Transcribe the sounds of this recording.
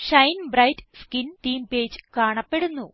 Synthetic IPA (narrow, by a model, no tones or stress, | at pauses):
ɕɐjnbrɐjtskint̪iːmpeːd͡ʑɨ̥kaːɳɐpːe̞ɽunːu